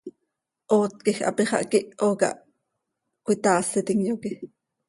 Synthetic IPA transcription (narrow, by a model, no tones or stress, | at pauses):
ʔoːt̪̚kixʔɑ̰piχɑ̰ʔkiʔoːkɑ̰ʔ | kʷit̪ɑːsit̪iŋjoki